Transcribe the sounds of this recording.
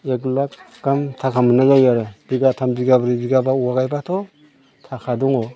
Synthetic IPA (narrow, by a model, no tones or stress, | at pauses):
eɡlak | ɡ̥amtʰakʰamɯnazajaɾɯb̥iɡatʰambiɡabɾibiɡabauwaɡajbatʰɔ | tʰakʰaduŋɔ